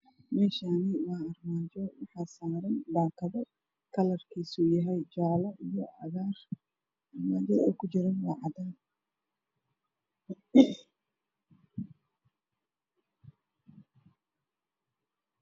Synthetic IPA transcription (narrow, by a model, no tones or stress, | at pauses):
mɛːʃaːnɪwaːɐrmaːd͡ʒɔwɑħɑːsaːɾɐnbaːkʰɐðɐ | kʰɐlɐrkʰiːsuːjɐɦɛjt͡ʃaːlɐʔijɔʕɑɣaːr | ʔɐrmaːt͡ʃɔɔkʰʊt͡ʃɪɾɐnwɑːʕɑd̪aːn